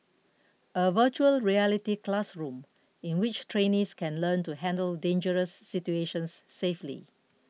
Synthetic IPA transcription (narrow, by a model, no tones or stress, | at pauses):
əvət͡ʃuəlɹiɛlitiklasɹũm | ĩnwɪt͡ʃtʰɹẽnĩskɛ̃nlə̃ntuhɛ̃ndəldẽnd͡ʒəɹəsːitueʃə̃nsːeflḭ